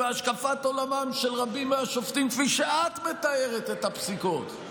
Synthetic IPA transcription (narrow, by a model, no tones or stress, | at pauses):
eaʃkafat̪o̞lamamʃelʁabimeaʃoftimkfiʃeat̪me̞t̪aeʁet̪et̪apsiko̞t̪